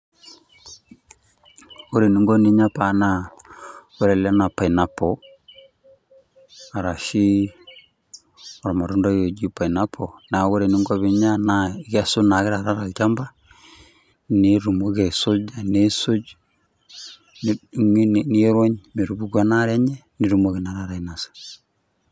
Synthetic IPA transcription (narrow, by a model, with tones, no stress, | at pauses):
o˦ɾe˨ni˦ŋɡo˦ni˦ɲa˦pa˨na˨ | we˦ɾɛ˨la˦na˨pa˨i˨na˨pɔ˨ | a˨ɾa˨ʃi˦ | ɔ˨ɾa˨ma˨ɾu˦nda˦ɣo˨d͡ʒi˦pa˨i˨na˦pʰɔ˨na˨ɣo˦ɾe˨ni˦ŋɡa˦βi˨ɲa˦na˦ka˦su˦na˨ɣɪ˦ɾa˨ɾa˦ɾa˨t͡ʃa˦mba˦ | ni˦ɾu˨mo˦ɣe˨so˦d͡ʒa˨ne˦su˦d͡ʒ | n˦ŋi˦n˨ni˦ɾwɔ˦ɲme˨ɾu˨βu˦ɡa˦na˦ɾɛ˦ɲɛ˦ni˨ɾu˨mo˦ɣi˨na˨ɾa˨ɾa˨i˨na˨sḁ˨